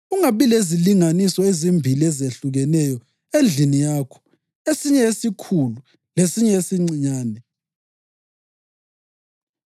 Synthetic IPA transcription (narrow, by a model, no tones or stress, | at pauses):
uŋaβileziliŋanisɔezimbʱiliɛzeɬuɣɛnɛjɔ | end͡ɮʱinijaːkʰɔ̥ | esiɲɛesikʰulu | lesiɲɛesiŋ͡ǀiɲaːnɛ